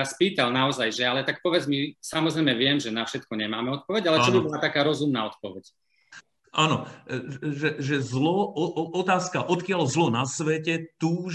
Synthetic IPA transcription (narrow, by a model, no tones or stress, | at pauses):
aspiːt̪alnaɔzajʒɛalɛt̪ak̚pɔʋɛd͡zmisamɔzɾɛjmɛʋɪɛmʒɛnafʃɛt̪kɔɲɛmaːmɛɔt̪̚pɔʋɛɟalɛt͡ʃɔbibɔlat̪akaːɾɔzumnaːɔt̪pɔʋɛc | ʔaːnɔ | ʒɛʒɛzlɔɔʔɔt̪aːskaʔɔt̪kɪalzlɔnasʋɛcɛt̪uː